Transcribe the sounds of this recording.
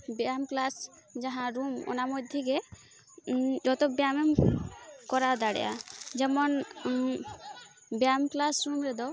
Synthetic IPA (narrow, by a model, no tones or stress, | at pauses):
bamklas | d͡ʒaɦãɾumɔ̰namɔd̪ʱiɡɛ | d͡ʒɔt̪ɔbjamɛm | kɔɾad̪aɽɛ̰ja̰d͡ʒɛmɔn | bjamklasɾumɾɛd̪ɔ